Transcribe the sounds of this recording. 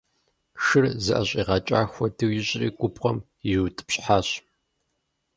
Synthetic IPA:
ʃɨrzɨʔɐɕʼiːʁɐt͡ʃʼaːxʷɔdɨwjɪɕʼriːɡʷʊpqɐm | jɪwtʼɨ̥pɕʼħaːɕ

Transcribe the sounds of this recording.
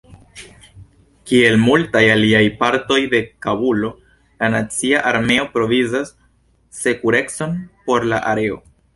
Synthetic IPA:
kie̞lmultajaliajpaɾto̞jde̞kabulo̞ | lanat͡siaʔaɾme̞o̞pɾo̞vizasː | e̞kuɾe̞kso̞npo̞ɾlaʔa̰ɾe̞o̞̰

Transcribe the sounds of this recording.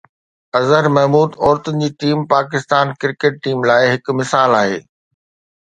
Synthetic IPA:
ɐzəɾmɛɦmuːd̪ɔːɾt̪əd͡ʑiːʈiːmpaːkɪst̪aːnkɪɾkeːʈ̚ʈiːmlaːɪɦɪkʊ̆mɪsaːlaːɦḛː

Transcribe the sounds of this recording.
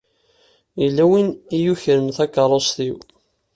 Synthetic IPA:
ilːæwinijuçəɾəmθækːɑɾˤosˤθiw

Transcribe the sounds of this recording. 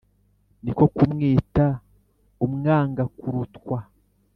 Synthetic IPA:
niko̞kumŋiːta | umŋaːŋɡakuɾutkwa

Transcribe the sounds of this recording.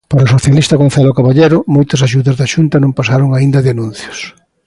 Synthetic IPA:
paɾaosoθjalist̪ɐɣon̟θalokaβaʎeɾʊmojt̪ɐsaʃuðɐzðɐʃunt̪ɐnõmpasaɾoŋaind̪ɐðeanũnθjʊ̥s

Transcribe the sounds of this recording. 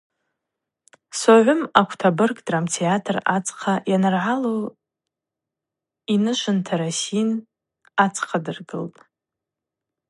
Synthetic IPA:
saʕʷʊmakʷʰtʰabɨrkʼdramtʰeatʰrat͡sʼqʰajanɨrʕalo | inɨʃʷɨntʰaɾasin | at͡sʰʼqʰadɨrɡɨ̰ltʼ

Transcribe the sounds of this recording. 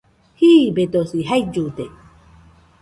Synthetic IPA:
hiːbet̪osiɦaid͡ʒut̪e

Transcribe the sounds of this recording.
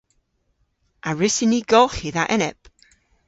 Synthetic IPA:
ʔaɹɪsɪniɡɔlˠχiðaʔɛnɛpʼ

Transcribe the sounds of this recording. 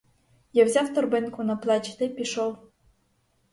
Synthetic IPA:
jawzʲawt̪ɔrbɪnkʊnɐplˠɑt͡ɕt̪epʲiʃow

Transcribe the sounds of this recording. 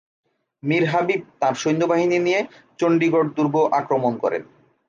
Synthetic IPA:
miɾɦabib̚t̪ãɾʃojnd̪obaɦininije | t͡ɕoɳɖiɡoɖ̚d̪uɾboʔakɾomonkɔ̰ɾḛn

